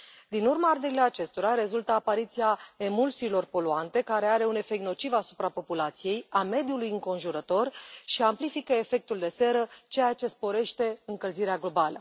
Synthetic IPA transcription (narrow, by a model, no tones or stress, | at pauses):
d̪inurmaard̪eɾile̞at͡ʃe̞st̪o̞ɾaɾe̞zult̪əapaɾit̪sijae̞mulsiːlo̞rpo̞luant̪e̞kaɾe̞aɾe̞une̞fe̞k̪̚no̞t͡ʃivasu̥pɾapo̞pulat̪sije̞jame̞d̪julujɨŋko̞nʒuɾət̪o̞rʃiamplifikəefe̞k̚t̪uld̪e̞se̞ɾət͡ʃe̞jat͡ʃe̞spo̞ɾe̞ʃt̪e̞ɨŋkəlziɾeaɡlo̞balə̰